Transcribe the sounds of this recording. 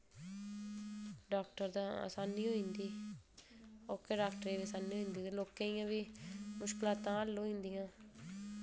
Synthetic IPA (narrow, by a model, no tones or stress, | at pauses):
ɖaːkʈəɾd̪ãːə̰saːniːɦoːĩːnd̪iː | oːkeːɖaːkʈəɾeːʋisaːniːoĩːnd̪iːt̪eloːkẽːijãːʋiːmʊʃkɪlãːt̪ãːəlːõːĩːnd̪ijãː